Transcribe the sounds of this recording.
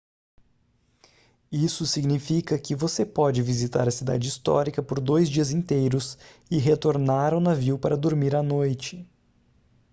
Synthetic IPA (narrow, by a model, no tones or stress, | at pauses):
isʊsiɡnifikɐkɪvosepɔd͡ʒɪvizit̪a̰ɾɐsid̪a̰d͡ʒɪist̪ɔ̰ɾikɐpoɾd̪ojzd͡ʒiɐzĩnt̪ejɾʊsɪɦet̪oɾnaɾɐ̃w̃nɐviwpaɾɐd̪oɾmiɾɐnojt͡ʃɪ